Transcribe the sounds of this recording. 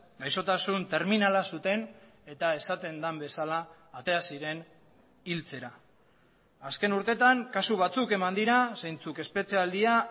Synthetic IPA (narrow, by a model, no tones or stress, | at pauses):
ɡajso̞t̪asunt̪e̞ɾminalasut̪e̞ne̞t̪ae̞sat̪e̞nd̪ambe̞salaː | t̪e̞asiɾe̞n | ilt͡se̞ɾaː | ske̞nuɾt̪e̞t̪aŋkasuβ̞at͡suke̞mand̪iɾasejnt͡suke̞spe̞t͡seald̪ia